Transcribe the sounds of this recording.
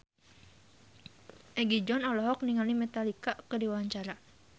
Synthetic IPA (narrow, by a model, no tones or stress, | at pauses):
ʔɛɡid͡ʒɔnɔlɔɦɔk̚niŋalimɛt̪alikakədiwawaɲt͡ʃaɾa